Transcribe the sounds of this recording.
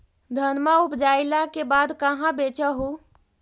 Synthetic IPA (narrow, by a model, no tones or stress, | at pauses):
d̪ʱənmaupd͡ʒajlakebad̪kəɦãbet͡ʃəɦu